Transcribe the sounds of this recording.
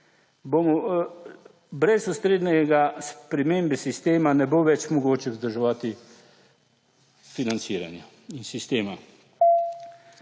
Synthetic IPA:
bomɔ | bɾɛsust̪ɾeːd̪nɛɡaspɾɛmeːmbɛsist̪eːmanɛboʋɛt͡ʃmɔɡoːt͡ʃɛzd̪əɾʒɛʋat̪i | finant̪siːɾa̰nja | insist̪eːma

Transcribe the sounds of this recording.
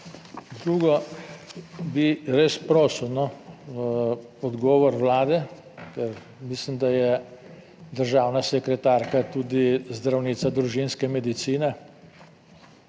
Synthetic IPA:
d̪ɾuːɡɔ | biɾespɾɔːsɔnɔ | ɔd̪ɡɔːʋɔɾwlaːd̪ɛ | kɛɾ | mislimd̪ajɛ | d̪əɾʒaːwnasɛkɾɛt̪aːɾkat̪ud̪izd̪ɾawniːsad̪ɾuʒinskɛmɛd̪it̪siːnɛ

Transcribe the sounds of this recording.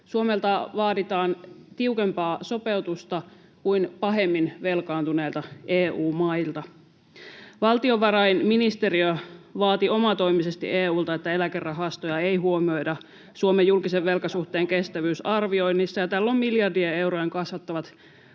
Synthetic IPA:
suomelt̪ɑʋɑːdit̪ɑːnt̪iukempɑːso̞pewt̪ust̪ɑ | kuinpɑɦe̞mːinʋe̞lkɑːnt̪uneːlt̪ɑʔeːuːmɑilt̪ɑ | ʋɑlt̪io̞ʋʋɑɾɑjnminist̪e̞ɾiøʋɑːt̪io̞mɑt̪o̞imisest̪ḭʔeːuːlt̪ɑet̪ːæe̞lækerːɑɦɑst̪ojɑeijɦuo̞mio̞jdɑ | suomejːulkiseʋʋe̞lkɑsuht̪eːŋke̞st̪æʋyːsɑrʋio̞inːisːɑjɑt̪ælːommiljɑrdiee̞wɾojeŋkɑsʋɑt̪ːɑʋɑt̪

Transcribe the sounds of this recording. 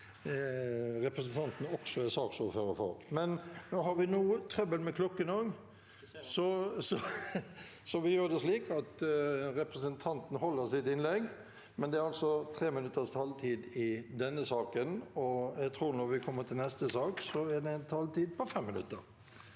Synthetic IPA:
ɾɛpɾəs̬ənt̪ʰɑnt̪n̩ɔksɔɛsɑːksɔføːɾəfɔ̰ɾmɛnnoːɦɑɾʋɪnuːət̪ʰɾœbəlmɛkʰlɔkːənoːɡ | sɔsɔ | sɔʋɪjøːɾd̪ɛʂliːkɑt̪ɾɛpɾəs̬ənt̪ʰɑnt̪n̩ɦɔlːəɾsɪt̪ɪnlɛɡ | mɛnd̪ɛæɾɑlsɔt̪ʰɾeːmɪnʉt̪ːəst̪ʰɑlt̪ʰiːd̪ɪd̪ɛnːəsɑːkənɔjæɡt̪ʰɾuːɾnɔɾʋɪkʰɔmːəɾt̪ʰɪlnɛst̪əsɑːksɔæd̪ɛnt̪ʰɑlt̪ʰiːd̪̚pʰɔfɛmːɪnʉ̰t̪ːəɾ

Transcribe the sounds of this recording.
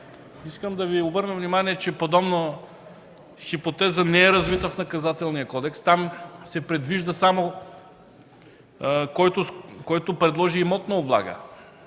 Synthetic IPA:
iskəmd̪ɐviobɤɾnəvnimaniɛt͡ʃɛpod̪ɔbnə | xipot̪ɛzənɛɛɾɐzvit̪əfnɐkɐzat̪ɛlˠnijəkɔd̪ɛkst̪amsɛpɾɛd̪viʒd̪əsamo | kɔjt̪ʊkɔjt̪opɾɛd̪lˠɔʒiːmɔt̪nɐoblˠa̰ɡə̰

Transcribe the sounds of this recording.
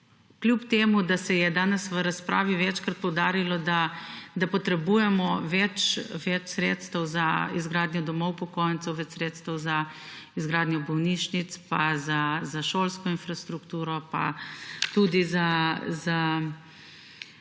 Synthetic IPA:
klʲjupt̪eːmud̪asɛjɛd̪aːnɛsʋəɾaspɾa̰ːʋiʋɛt͡ʃkɾat̪̚pɔwd̪aːɾilɔd̪ad̪apɔt̪ɾɛbujɛmɔʋɛt͡ʃʋɛt͡ʃsɾeːt̪st̪əwzaizɡɾaːd̪njɔd̪ɔmɔwpɔkojnt̪sɛwʋɛt͡ʃsɾeːt̪st̪əwza | izɡɾaːd̪njɔbɔwniʃnit̪spazazaʃoːlskɔinfɾast̪ɾukt̪uːɾɔpa̰t̪ud̪izaza

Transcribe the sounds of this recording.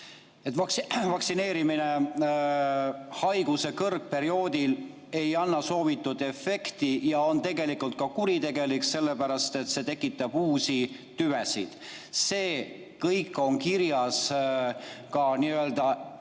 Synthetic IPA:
et̪ːˑɑkvɑksine̞ːɾimine̞ | hɑjɡ̥use̞kɤrɡ̚pe̞ɾio̞ːd̪̥il | e̞jɑnːɑso̞ːvit̪ːˑud̪̥e̞fe̞kt̪ijɑo̞nt̪e̞ɡe̞likult̪̚kɑkuɾit̪e̞ɡ̥e̞likse̞lːe̞pæɾɑst̪e̞t̪se̞t̪e̞kːˑit̪ːˑɑb̥uːsi | t̪yvesid̪̥ | se̞ː | kɤjkːˑo̞ŋkiɾjɑs | kɑniø̞ld̪ɑ

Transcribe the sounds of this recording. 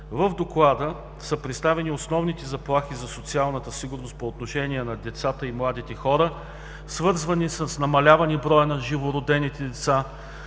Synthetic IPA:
vəvd̪oklˠad̪ə | səpɾɛt̪st̪avɛniosnɔvnit̪ɛzɐplˠaxizɐsot̪sialˠnət̪əsiɡʊɾnost̪̚poːt̪noʃɛnʲiɛnɐd̪ɛt̪sat̪əimlˠad̪it̪ɛxɔɾə | svɤɾzvɐnisəsnɐmɐlʲavɐnibɾɔjənɐʒivoɾod̪ɛnit̪ɛd̪ɛt̪sa

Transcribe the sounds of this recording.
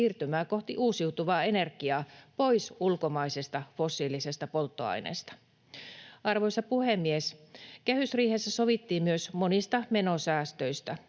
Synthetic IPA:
iːrt̪ymæːko̞ht̪iʔuːsiut̪uʋɑːe̞ne̞rkiɑːpo̞jsulkomɑisest̪ɑfo̞sːiːlisest̪ɑpo̞lt̪ːoɑ̰jnḛːst̪ɑ̥ | ɑrʋojsɑpuhemːieskehysriːhesːæsoʋit̪ːiːmmyøsmo̞nist̪ɑme̞nosæːst̪øist̪æ

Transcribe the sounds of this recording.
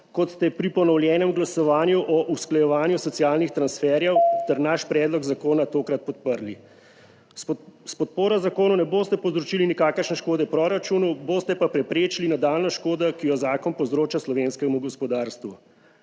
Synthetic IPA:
kɔt̪st̪ɛpɾipɔnɔwljɛːnɛmɡlasɔʋaːnjuʔɔʔusklajɛʋaːnjusɔt̪siaːlnixt̪ɾansfɛːɾjɛwt̪ɛɾnaʃpɾɛːd̪lɔɡzakoːnat̪oːkɾat̪̚pɔt̪̚pəɾli | spɔt̪̚poːɾɔzakoːnunɛboːst̪ɛpɔwzɾɔt͡ʃilinikaːkəɾʃnɛʃkoːd̪ɛpɾoɾat͡ʃunuboːst̪ɛpapɾɛpɾeːt͡ʃilinad̪aːlnɔʃkoːd̪akijɔzaːkɔnpɔwzɾoːt͡ʃaslɔʋenskɛmuɡɔspɔd̪aːɾst̪ʋu

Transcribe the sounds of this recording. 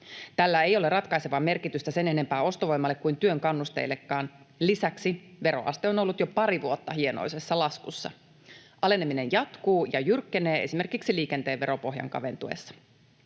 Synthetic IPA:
t̪ælːæejo̞lerɑt̪kɑjseʋɑːme̞rkit̪yst̪æse̞ne̞ne̞mpæːo̞st̪oʋo̞jmːɑlːe̞kːuint̪yøŋkɑnːust̪ḛjlːekːɑːn | lisæksiʋe̞ɾo̰ʔɑ̰st̪eo̞no̞lːut̪jopɑɾiʋuot̪ːɑɦieno̰jse̞sːɑlɑskusːɑ̰ | ʔɑle̞nemine̞njɑt̪kuːjɑjyrkːene̞ːesime̞rkiksiliːke̞nt̪e̞ːʋʋe̞ɾo̞po̞ɦjɑ̰ŋkɑ̰ʋe̞̰nt̪uḛsːɑ̥

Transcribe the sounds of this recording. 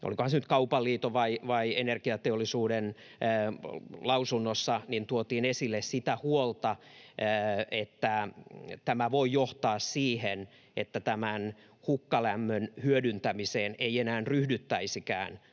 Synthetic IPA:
ʔo̰likohɑnsenyt̪̚kɑupɑlːiːt̪oʋɑiʋɑienerkiɑt̪eolːisuːdenː | lɑusunːosːɑnint̪uot̪iːnesilːessit̪æhuolt̪ɑː | et̪ːæt̪æmæʋoijoht̪ɑːssiːhen | ḛt̪ːæt̪æmæn | hukːɑlæmːønhyødynt̪æmiseːneienæːnryhdyt̪ːæisikæ̰ːn

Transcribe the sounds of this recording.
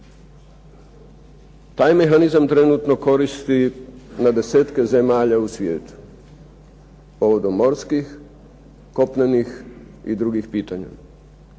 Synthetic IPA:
t̪aːjme̞xanizamt̪ɾenut̪no̞ko̞ɾist̪inad̪e̞seːt̪keze̞maːʎausʋʲjḛːt̪u̥ | po̞ʋod̪omːo̞ɾskix | ko̞pnenix | ḭd̪ɾuɡixpiːt̪aɲa̰

